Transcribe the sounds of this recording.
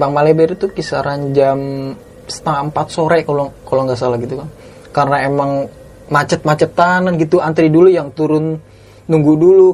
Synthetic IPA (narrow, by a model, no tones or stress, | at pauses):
baŋmalebɛɾt̪ukisaɾand͡ʒam | sə̥t̪aŋaəmpat̪̚soɾekolkoloŋɡasalahɡit̪ukaŋ | karənaemaŋ | mat͡ʃət̪̚mat͡ʃət̪ːanənɡit̪uant̪ɾidulujaŋt̪uɾʊnː | uŋɡudulu